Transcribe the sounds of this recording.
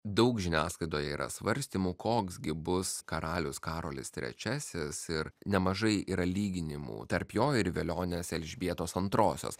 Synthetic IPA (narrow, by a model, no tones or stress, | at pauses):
d̪ɐʊkʒʲɪnʲæːskˠɐɪt̪oːjɛḭːɾʔɐ̰sʋɐɾʲsʲt̪ʲiːmuːkʰoːksɡʲɪbʊskɐɾɑːlʲʊskɑːɾoːlʲɪ̰st̪ʲɾʲɛ̰t͡ʃʲæsʲɪsɪɾnʲɛmɐʒɐɪiːɾɐlʲiːɡʲɪnʲɪmṵːt̪ɐɾpjoːɪɾʋʲelʲoːnʲesɛlʲʒʲbʲiɛt̪oːsɐnt̪ɾoːsʲo̰ːs